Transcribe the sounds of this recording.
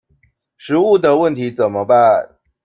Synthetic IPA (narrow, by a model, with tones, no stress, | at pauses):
ʂɻ̩˧˥u˥˩d̪ə˨wə˥˨nt̪ʰi˨˦t͡sə˨˩nmə˦ba˧